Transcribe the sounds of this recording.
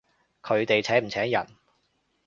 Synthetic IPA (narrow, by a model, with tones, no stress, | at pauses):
kʰɵ˨˧ɥt̪e˨jt͡sʰɛː˨˥m̩˨˩t͡sʰɛː˨˥jɐ̰˨˩n